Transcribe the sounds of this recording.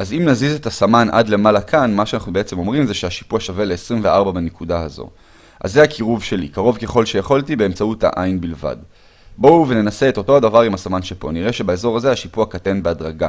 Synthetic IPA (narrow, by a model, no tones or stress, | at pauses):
azimnazizet̪asamanʔa̰dle̞malakʰanmaʃeanaχnubeet͡se̞mo̞mʁimzeʃeaʃi̥puaʃavele̞ːsʁimveʔaʁbabenekudaazo̞̰ | a̰zeakʰiʁuvʃe̞lḭkaʁo̞vke̞χo̞lʃe̞jaχoltibe̞emt͡sautha̰ʔainbilva̰d | bo̞wvene̞nase̞eto̞to̞adavaʁimasamanʃepo̞̰niʁe̞ʃe̞baezo̞ʁaze̞aʃipuakatenbeadʁaɡa̰